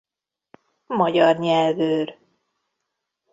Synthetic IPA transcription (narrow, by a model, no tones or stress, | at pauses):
mɒɟɒrɲɛlvøːr